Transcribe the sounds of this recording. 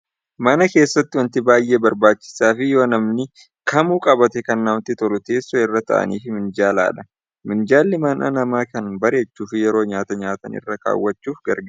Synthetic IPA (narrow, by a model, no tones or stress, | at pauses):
mɐnɐke̞ːsːɐt̪ːɪwɐnt̪ɪbaːjːeːbɐɾbaːt͡ʃːɪ̥saːfɪjo̞ːnɐmnɪ | kɐmuːkʼɐbɐt̪ɛkɐnːaːwt̪ɪt̪ɔlʊt̪e̞ːsːɔɪrːɐt̪ɐ̰ʔɐ̰niːfɪmɪnd͡ʒaːla̰ːᶑɐ̥ | mɪnd͡ʒaːlːɪmɐnɐ̰nɐmaːkɐnbɐɾe̞ːt͡ʃːuːfɪjɛɾo̞ːɲaːt̪ɐɲaːt̪ɐ̰nɪ̰rːɐka̰ːwːɐt͡ʃːuːfɡɐɾɡa